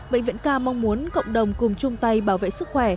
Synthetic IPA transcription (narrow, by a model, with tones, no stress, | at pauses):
ɓḛ˧˨ŋ̟vḭ˧˨ənkaː˧ma˧wŋ͡mmu˨˦ənkə̰˧˨wŋ͡mɗə˨˩wŋ͡mkʊ˨˩ŋ͡mt͡ɕʊ˧ŋ͡mt̪a˧jɓaː˧˩wvḛ˧˨sɨ˦˥k̚xwɛ˧˩